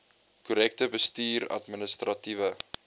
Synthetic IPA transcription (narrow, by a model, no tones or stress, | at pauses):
kuɾɛk̚təbəstiːrɐ̰tmənəstrɐtivə